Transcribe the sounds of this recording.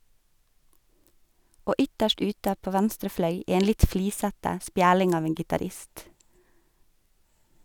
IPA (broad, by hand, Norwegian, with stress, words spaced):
ˈoː ˈʏtəʃt ˈʉːtə ˈpoː ˈʋɛnstɾə ˈflœʏ ˈeːn ˈlɪt ˈfliːsətə ˈspjæːɽɪŋ ˈɑːʋ ˈeːn ɡɪtɑːˈɾɪst